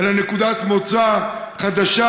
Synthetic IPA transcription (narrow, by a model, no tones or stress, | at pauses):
lanekud̪at̪mot͡sa | χad̪aʃa